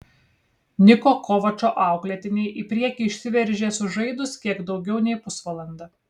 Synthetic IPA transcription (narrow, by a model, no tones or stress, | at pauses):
nʲɪkoːkɔʋɐt͡ʃoːʔɑˑʊklʲɛt̪ʲɪnʲɛɪʔipʲɾʲiɛkʲiːɪʃʲsʲɪʋʲɛɾʲʒʲeːsʊʒɐɪd̪ʊskʲiɛɡd̪ɒʊɡʲɛʊnʲɛɪpʊsʋɐlˠɐnd̪ɐ